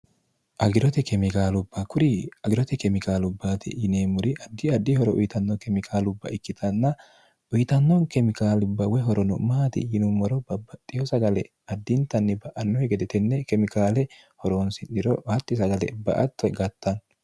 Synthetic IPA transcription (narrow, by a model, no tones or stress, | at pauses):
ʔɐɡɪɾɔt̪ɛkɛmɪkaːlʊbːɐkʊɾɪɐɡɪɾɔt̪ɛkɛmɪkaːlʊbːaːt̪ɪ̰ʔːneːmʊɾɪɐd̪ːɪɐd̪ːɪhɔɾɔʔʊ̰jt̪ɐnːɔkɛmɪkʰaːlʊbːɐ̰ʔɪkːɪt̪ʰɐnːɐ | ʊjt̪ɐnːɔkɛmɪkaːlʊbːɐwɛɦɔɾɔnʊ̰maːt̪ɪ̰ːnʊmːɔɾɔbɐbːɐt̪ʼːɪjɔsɐɡɐlɛ | ɐd̪ːɪnt̪ɐnːɪbɐʔɐnːɔhɛɡɛd̪ɛt̪ɛnːɛkɛmɪkaːlɛ | hɔɾoːnsɪnɪɾɔhɐt̪ːɪsɐɡɐlɛ̰bɐ̰ʔɐ̰t̪ːɔɡɐt̪ːɐn